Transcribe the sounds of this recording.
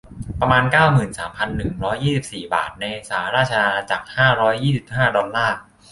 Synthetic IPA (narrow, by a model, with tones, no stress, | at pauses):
pɾa˧maː˧nkaː˥˩wmɯː˨˩nsaː˩˦mpʰa˧nːɯ˨˩ŋɾɔː˦˥jːiː˥˩i˨˩p̚siː˨˩ba̰ː˨˩t̪̚na˧je˧saː˩˦ɾaː˥˩t͡ɕʰa˧a˧t͡ɕa̰˨˩k̚haː˥˩ɾɔː˦˥jːiː˥˩si˨˩p̚haː˥˩dɔ˧nlaː˥˩